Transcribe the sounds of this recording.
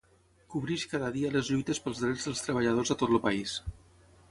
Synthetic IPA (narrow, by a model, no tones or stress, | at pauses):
kuβɾiʃkaðəðiələzʎujt̪əspəlˠzðɾed͡zðəlˠst̪ɾəβ̞əʎað̞ozðət̪ot̪ləpəis